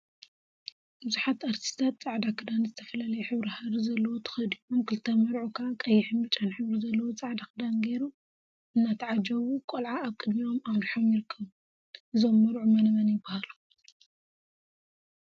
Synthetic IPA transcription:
bɨzuħat̪aɾt̪ʰi̥st̪ʰat̪̚t͡sʼaʕd̪akʰɨd̪anzɨt̪ʰɐfɐlalɐjɛħɨβɾihaβɾizɐlːɐwot̪ʰɨ̥xɐd̪iomkʰɨlt̪ʰɐmɐɾʕukʰaʔakʼɐjːɪħɨmbɨt͡ʃʼːanħɨβɾizɐlːɐwot͡sʼaʕd̪akʰɨd̪anɡejɾu | ʔɨnːat̪ʰɐʕad͡ʒɐβukʼolʕaːβkʼɨd̪mio̞maβɾiħo̞mjɪɾɨkʰːɐβu | ʔɨzo̞mːɐɾʕumɐnɐβɐnjɪbːahalu̥

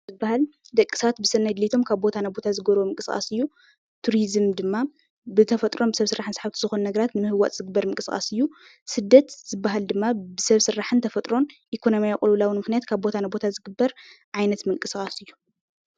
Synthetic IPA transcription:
zɨbːahald̪ɐkʼːɨ̥saat̪̚bɨsɨnːɐjd̪lit̪ʰo̞mkʰaβbo̞t̪ʰanabo̞t̪ʰazɨɡɐɾomɨŋkʼɨskʼa̰sɨjːu | t̪ʰuɾizɨmd̪ɨmːa | bɨt̪ʰɐfɐt̪ʼɾo̞mbɨsɐβsɨɾʔaħɨnsaħaβt̪ʰizɨxunnɐɡɐɾat̪nɨmɨhɨwːat̪ʼz̥ɨɡɨbːɐɾmɨŋkʼɨskʼa̰sɨjːu | sɨd̪ːɐt̪zɨbːaɦald̪ɨmːabɨsɐβsɨɾːaħɨnt̪ʰɐfɐt̪ʼɾo̞nʔikʰo̞nomijakʼulwlawinmɨxnijat̪kʰaβbo̞t̪ʰanabo̞t̪ʰazɨɡɨbːɐɾʕajnɐt̪mɨŋkʼɨsxʼasɨjːu

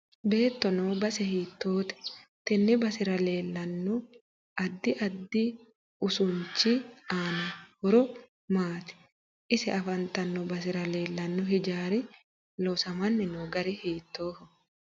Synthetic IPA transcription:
be̞ːt̪ːɔnoːbɐsɛhiːt̪ːoːt̪ɛ̥t̪ɛnːɛbɐsɪɾɐle̞ːlːɐnːɔ | ɐd̪ːɪʔɐd̪ːi | ʊsʊɲt͡ʃːiaːnɐhɔɾɔ | maːt̪ɛ̥ | ʔɪsɛɐfɐnt̪ɐnːɔbɐs̬ɪɾɐle̞ːlːɐnːɔɦɪd͡ʒaːɾɪ | lɔsɐmɐnːɪnoːɡɐɾɪhiːt̪ːoːhɔ

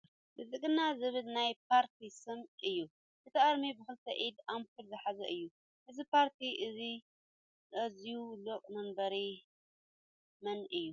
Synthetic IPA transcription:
bɨzɨkʼɨnːazɨβɨlnajp̚ʰaɾt̪ʰisɨmɨjːu | ʔɨt̪ʰɐʔʼɐd̪mibɨxɨlt̪ʰɐʔid̪ampʰɨɾzɨħazɐʔɨjːu | ʔɨzipʰaɾt̪ʰiʔɨzi | ɐzijuloqʼmɐmbɐɾi | mɐnɨjːu

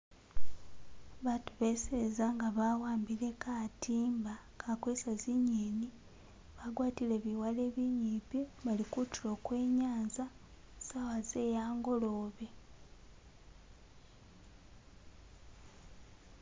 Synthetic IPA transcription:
βatuβe̞sezaŋɡaβawaːmbile̞katʰiːmbakʰakwesaziɲiːni | βaɡwaːtile̞βiwale̞ːβiɲiːpiβalikutilo̞ːkwe̞ːɲaːnza | sawaze̞jaːŋɡo̞loβe

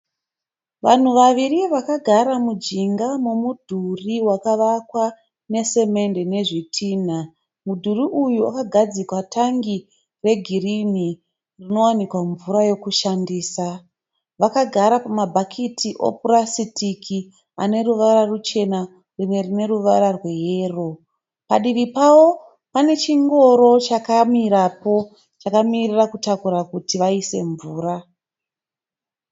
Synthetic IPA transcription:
ʋan̤uʋaʋiriʋakaɡʱaɾamud͡ʒiŋɡamomudʱuriwakaʋakwa | ne̞se̞me̞nde̞ne̞ʐitʰiːn̤a | mudʱuriʔujua̰kaɡʱad͡zikwatʰaŋɡi | re̞ɡʱirini | rino̞wanikwaɱvuɾajo̞kuʃandiːsa | ʋakaɡʱaɾapamabʱakʰitiʔo̞̰purasitiki | a̰ne̞ruʋaɾarut͡ʃe̞na | rime̞rine̞ɾuʋaɾarwe̞je̞ːro̞ | paɗiʋipawo̞ | pane̞t͡ʃiŋɡo̞ɾo̞t͡ʃakamiɾapo̞ | t͡ʃakamirirakutakuɾakutiʋaise̞ɱvuːɾa

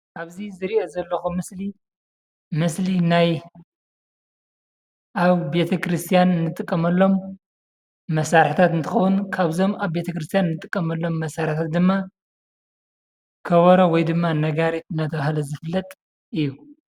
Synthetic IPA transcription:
ʔaβzizɨɾiʔozɐlːɐxumɨsli | mɨslinaj | ʔaβbe̞t̪ʰɐkɾɨst̪ʰijanɨnːɨt̪ʼɨkʼːɐmɐlːo̞m | ɐsaɾħit̪ʰat̪ɨnt̪ʰɨxɐwunkʰaβzo̞maβbe̞t̪ʰɐkɾɨst̪ʰijannːɨt̪ʼɨkʼːɐmɐlːo̞mːɐsaɾħt̪ʰat̪̚d̪ɨmːa | kʰɐβɐɾowɔjd̪ɨmːanɐɡaɾiɨnːɐt̪ʰɐβahlɐzɨfɨlːɐt̪ʼ | ʔɨjːu

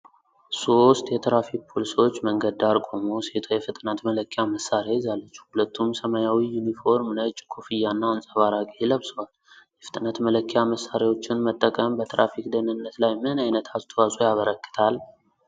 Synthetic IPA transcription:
so̞st̪ʼjɛt̪ʰɾafik̚pʰolisiwo̞t͡ʃːməŋɡəd̪aɾkʼomoset̪ʰojɛfɨt̪ʼnət̪mələkʰːjaməsːaɾajɪzalːət͡ʃːu̥hulət̪ːumsəmajawijunifo̞ɾmnət͡ʃʼːkʰofijːanːawənsʼəβaɾakʼeləβsɨwal | jɛfɨ̥t̪ʼnət̪mələkʰːjaməsːaɾawo̞t͡ʃːɪnmət̪ʼːəkʼəmbət̪ʰɾa̰fikd̪ənɨnːət̪lajmɨnajnət̪ʰast̪ʰəwasʼojaβəɾəkʼːɨ̥t̪ʰal

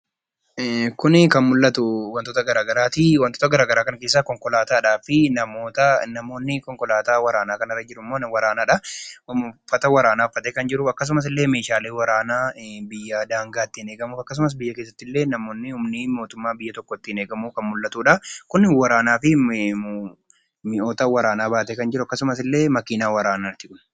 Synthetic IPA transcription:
ɛkʊnɪkɐnmʊlːɐt̪ʊwɐnt̪oːt̪ɐɡɐɾaːɡɐɾaːt̪iwɐnt̪oːt̪ɐɡɐɾaːɡɐɾaːkɐnke̞ːs̬ːakɔŋkɔlaːt̪aːᶑaːfɪnɐmoːt̪ɐnɐmo̞ːnːɪkɔŋkɔlaːt̪aːwɐɾaːnaːkɐnɐrːɐd͡ʒɪɾʊmːo̞ːnwɐɾaːnaːᶑɐʊfːɐt̪ɐwɐɾaːnaːʊfːɐt̪eːkɐnd͡ʒɪɾʊɐkːɐs̬ʊmɐs̬ɪlːe̞ːme̞ːʃaːleːwɐɾaːnaːbɪjːaːd̪aːŋɡaːt̪ːɪneːɡɐmuːfɐkːɐs̬ʊmɐs̬bɪjːɐke̞ːs̬ːɐt̪ːɪlːe̞ːnɐmo̞ːnːɪʊmnɪmo̞ːt̪ʊmːaːbɪjːɐt̪ɔkːɔt̪ːɪneːɡɐmuːkɐnmʊlːɐt̪uːᶑɐkʊnːɪwɐɾaːnaːfɪ | mɪʔoːt̪ɐwɐɾaːnaːbaːt̪eːkɐnd͡ʒɪɾʊɐkːɐsʊmɐsɪlːe̞ːmɐkiːnaːwɐɾaːnaːt̪ːɪkʊn

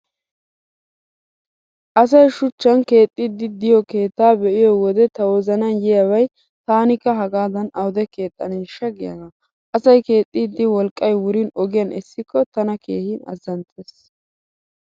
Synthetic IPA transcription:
ʔɐs̬ɐjʃʊt͡ʃːɐnke̞ːt̪ʼːɪd̪ːɪd̪ɪjɔke̞ːt̪ːaːbɛʔɪjɔwɔd̪ɛt̪ɐwɔzɐnɐnjɛjɐwɐj | t̪aːnɪkːɐɦɐɡaːd̪ɐnɐwd̪ɛke̞ːt̪ʼːɐneʃɐɡɪja̰ɡa | ʔɐsɐjke̞ːt̪ʼːɪd̪ːɪwɔlkʼːɐjwʊɾɪnɔɡɪjɐnɛsːɪkːɔt̪ɐnɐkʰe̞ːhɪnɐ̰zɐnt̪ʰʼeːs

